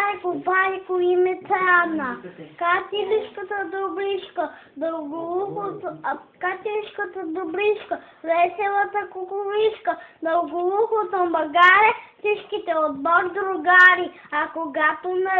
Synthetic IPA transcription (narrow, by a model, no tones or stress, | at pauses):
kobajkoimɛt̪ɾanakat̪iliʃkət̪əd̪ɾobɾiʃkə | d̪ɐɡoluxot̪kat̪iiʃkət̪əd̪ɾobɾiʃkə | vɛsɛlˠət̪əkʊkʊliʃkəd̪ɐlɡolˠuxot̪ombɐɡaɾɛfsit͡ʃkit̪ɛod̪̚bɔɾd̪ɾoɡaɾi | akoɡat̪onɐ